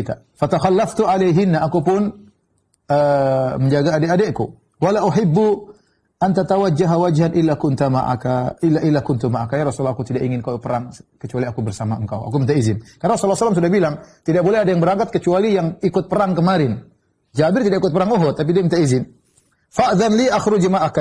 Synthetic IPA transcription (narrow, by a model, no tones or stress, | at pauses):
t̪a̰ | fat̪axalːaft̪uʕalejɦɪnːaʔːkupʊn | əːməɲd͡ʒaɡaːdɛadɛʔku | walaʔuħɪbːu | ʔant̪at̪awad͡ʒːaɦawad͡ʒhanʔɪlːakʊnt̪ama̰ʔa̰kaɪlːaʔɪlːakʊnt̪umaʔakajaɾɔsulakut̪idaʔiŋɪnkawpəɾaŋkət͡ʃualiakubərsamaəŋka̰wa̰k̬umint̪aizɪnkaɾnaɾɔsulːasalːams̬udahbilaŋt̪idaʔ̚bolɛadajaŋbəɾaŋkat̪̚kət͡ʃualijaŋikʊt̪̚pəɾaŋkəmaɾɪn | d͡ʒabɪrt̪idakikʊt̪̚pəɾaŋuɦɔt̪ːap̬idiamint̪aizɪn | faʔðanliʔaxɾʊd͡ʒmaʔaka